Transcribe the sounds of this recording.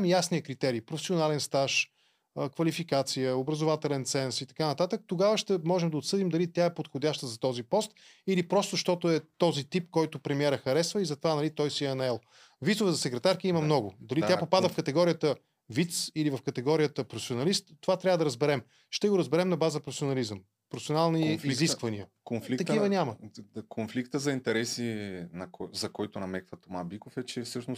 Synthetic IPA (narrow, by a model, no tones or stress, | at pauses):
mjasniəkɾit̪ɛɾiːpɾofɛ̥sionalɛnst̪aʃ | əkvɐlifikat̪sijəobɾɐzʊvat̪ɛlɛnt̪sɛnsit̪ɐ̥kanɐt̪at̪ək̚t̪oɡavəʃt̪ɛmɔʒɛmd̪ɐot̪sɤd̪imd̪ɐlit̪ʲjaɛpot̪xodʲaʃt̪əzɐt̪ɔzipɔst̪ | ilipɾɔst̪ʊʃt̪ɔt̪ʊɛt̪ɔzit̪ipkɔjt̪ʊpɾɛmiɛɾəxɐɾɛsvəizɐt̪ovanɐlit̪ɔjsiɛɐnɛlˠ | vit̪sʊvəzɐsɛkɾɛt̪aɾkiimɐmnɔɡʊ̰d̪ɐlit̪japopad̪əfkɐt̪ɛɡɔɾijət̪ə | vit̪silivɐfkɐt̪ɛɡɔɾijət̪əpɾofɛ̥sionɐlist̪ːovat̪ɾʲavəd̪ɐɾəzbɛɾɛm | ʃt̪ɛɡoɾɐzbɛɾɛmnɐbazəpɾofʲsionɐlizəm | pɾofsionalˠniiziskvɐniəkonflit̪ɐk̪ivənʲamɐkʰonflikt̪əzɐint̪ɛɾɛsinɐkɔzɐkɔjt̪ʊnɐmɛkvət̪omabikofɛt͡ʃɛfsɤʃnʊs